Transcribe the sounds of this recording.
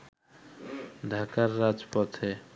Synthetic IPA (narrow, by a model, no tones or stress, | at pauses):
ɖʱakaɾːad͡ʑpot̪ʰe